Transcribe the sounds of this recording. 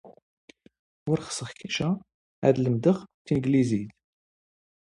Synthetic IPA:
ʊɾχsəχçiʃæ | æ̰d̪ləmd̪əχt̪inɡlizit̪

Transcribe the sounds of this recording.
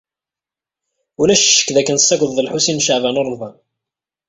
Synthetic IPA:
ulæʃʃə̥kːðækːənsːæɡʷðˤðəlħusinʃəʕvænəɾˤːvæ

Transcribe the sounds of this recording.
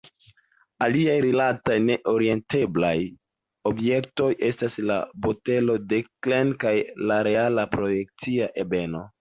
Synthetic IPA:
aliajɾilatajne̞ʔo̞ɾie̞nte̞blaj | o̞bje̞k̚to̞jʔe̞stasla̰bo̞te̞lo̞de̞klenkajlaɾe̞alapɾo̞je̞k̚t͡siaʔe̞be̞no̞

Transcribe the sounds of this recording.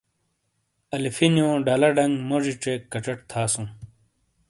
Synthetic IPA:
ɐlifinjõːɖɐlɐɖɐŋɡmoʐiʈ͡ʂeːkːɐʈ͡ʂɐʈ̚t̪ʰaːsũː

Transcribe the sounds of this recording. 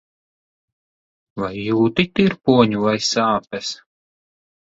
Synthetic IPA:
vajːuːt̪it̪iɾpuɔɲuvajsaːpʲɛs

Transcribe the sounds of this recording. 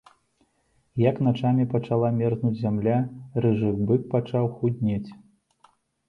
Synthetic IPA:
jɐknat͡ʂamʲipɐt͡ʂalˠamʲɛrznud͡zʲzʲamlʲarɨʐɨxbɨk̚pat͡ʂawxudʲnʲɛt͡sʲ

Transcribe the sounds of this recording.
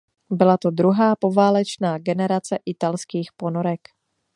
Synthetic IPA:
bɪlat̪o̞d̪ɾuɦaːpo̞vaːlɛt͡ʃnaːɡɛnɛɾat͡sɛʔɪt̪alskiːxpo̞noɾɛk

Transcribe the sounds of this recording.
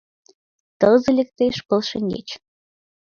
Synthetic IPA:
t̪əlzə̆lʲĕk̚t̪eʃkŏlʃə̆ŋɡḛt͡ɕ

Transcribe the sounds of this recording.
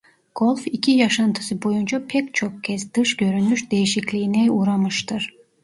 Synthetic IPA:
ɡ̥o̞lʲˠficʰijaʃant̪ʰɯ̥sɯbo̞jund͡ʒapʰɛct͡ʃʰo̞kcʰɛzd̪̥ɯʃɟø̞ɾynmyʃd̪e̞jiʃiclʲijːnɛuːɾamɯʃt̪ʰɯɾ̥

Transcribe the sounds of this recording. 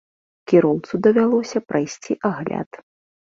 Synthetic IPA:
kʲiɾɔwt̪sud̪ɐvʲalˠɔsʲɐpɾajsʲt͡sʲiʔaɣlʲa̰t̪

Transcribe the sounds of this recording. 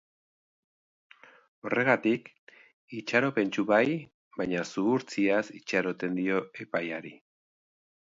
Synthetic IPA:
o̞re̞ɣat̪ik | it͡ʃaɾo̞pe̞nt͡ʃuβaj | bajɲasuːɾt͡siasit͡ʃaɾo̞t̪e̞nd̪io̞e̞pajaɾi

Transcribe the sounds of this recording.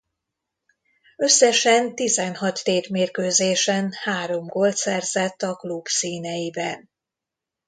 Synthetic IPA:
ø̞sːɛʃɛnt̪izɛnɦɒt̪ːeːrmeːrkøːzeːʃɛnhaːɾo̞mɡolt̪sɛrzɛt̪ːɒklubsiːnɛjibɛn

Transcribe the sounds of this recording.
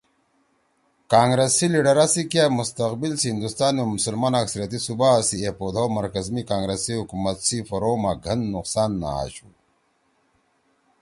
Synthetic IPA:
kaːŋɡɾesiliɖɐɾasikjamust̪ɐqbilsihind̪ust̪aːnomusɐlmaːnaksɐɾjɐt̪isubasiepod̪ʱawmɐɾkɐzmikaːŋɡɾesiɦukumɐt̪sifɐɾoːmaɡʱɐnːuqsaːnːa̰a̰ɕu

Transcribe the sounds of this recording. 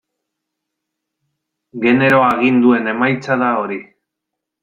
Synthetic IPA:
ɡe̞ne̞ɾo̞aɣ̞ind̪ue̞ne̞majt͡saðao̞ɾi

